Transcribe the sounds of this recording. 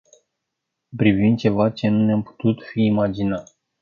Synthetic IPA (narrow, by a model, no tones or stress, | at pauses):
pɾivind̪̚t͡ʃe̞vat͡ʃe̞nuneampu̥t̪ut̪fiːmad͡ʒinat̪